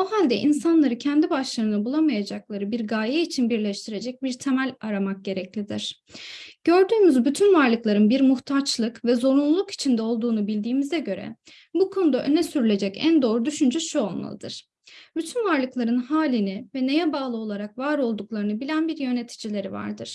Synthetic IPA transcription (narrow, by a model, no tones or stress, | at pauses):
uɦalʲd̪ɛ̰ʔinsanlˠaɾɯcʰɛnd̪ibaʃlˠaɾɯnabulˠamajad͡ʒaklˠaɾɯbiɾɡaːjɛit͡ʃʰinbiɾlʲɛʃt̪ʰiɾe̞d͡ʒɛc̚biɾt̪ʰemælʲaɾamak̚ɟe̞ɾɛclʲid̪ḭɾ̥ | ɟ̥ø̞ɾd̪yːmyzbyt̪ʰynvaɾlˠɯklˠaɾɯnbiɾmuht̪ʰat͡ʃlˠɯkvɛzo̞ɾunlˠulˠuki̥t͡ʃʰind̪ɛo̞lˠd̪uːnubilʲd̪iːmizɛɟø̞ɾɛ̰ | bukʰo̞nud̪aʔø̞nɛsyɾylʲe̞d͡ʒɛcæ̰nd̪o̞ːɾud̪yʃynd͡ʒɛʃuo̞lˠma̰lˠɯ̰d̪ɯ̰ɾ̥ | byt̪ʰynvaɾlˠɯklˠaɾɯnhaːlʲinivɛne̞jɛbaːlˠɯo̞lˠaɾakvaɾo̞lˠd̪uklˠaɾɯnɯbilʲænbiɾjø̞net̪ʰi̥d͡ʒilʲe̞ɾiva̰ɾd̪ɯ̰ɾ̥